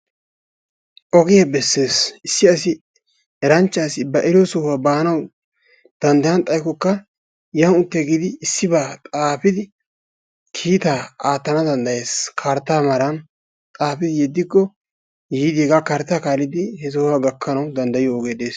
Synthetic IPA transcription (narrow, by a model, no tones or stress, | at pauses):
ʔɔɡɛjabɛsːe̞ːsɪsːɪɐs̬ɪ | ɛɾɐnt͡ʃːaːsɪbɐʔɛɾɪjɔsɔhʊwabaːnɐw | d̪̥ɐnd̪ɐjɐnt̪ʼɐjkɔkːɐ | jɐnʊt̪ːeɡɪd̪ɪːsːɪbaːt̪ʼaːfɪd̪ɪ | kʰiːt̪aːaːt̪ːɐnɐd̪ɐnd̪ɐjeːskʰaɾt̪ːaːmɐɾɐn | t̪ʼaːfɪd̪ɪjɛd̪ːɪkːɔ | jiːd̪iɡakɐɾt̪ːaːkaːlɪd̪ɪhɛs̬ɔhʊwaɡɐkʰːɐnɐwd̪ɐnd̪ɐjɪjoɔɡeːd̪eːs